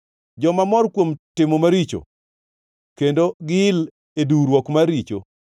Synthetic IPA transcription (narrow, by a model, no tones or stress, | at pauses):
d͡ʒɔmamɔrkwomtɪmomaɾit͡ʃo̰ | kendoɡɪl | eduɾwɔkmaɾit͡ʃo̰